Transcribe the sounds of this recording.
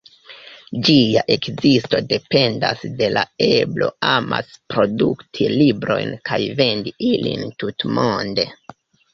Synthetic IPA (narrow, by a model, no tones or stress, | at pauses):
d͡ʒiaʔe̞kzisto̞de̞pe̞ndasde̞lae̞blo̞ama̰spɾo̞duktʰilibɾo̞̰jnkajve̞ndiilḭntutmonde̞